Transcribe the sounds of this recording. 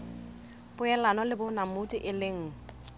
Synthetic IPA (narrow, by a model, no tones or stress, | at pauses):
pʊɛlanɔlɪbʊnamʊtʼɪʔɪlɪŋ̩